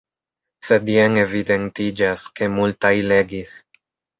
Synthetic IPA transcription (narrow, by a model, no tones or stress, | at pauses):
sediaŋe̞vide̞ntid͡ʒaske̞multajle̞ɡis